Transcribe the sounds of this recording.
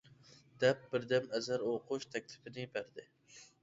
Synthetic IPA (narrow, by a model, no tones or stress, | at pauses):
d̪̥ɛp̚bɪɾd̪ɛmɛzæɾoqʰʊʃt̪ʰɛk̚ʲt̪ʰɪ̥pʰɪnɪbæɾd̪ɪ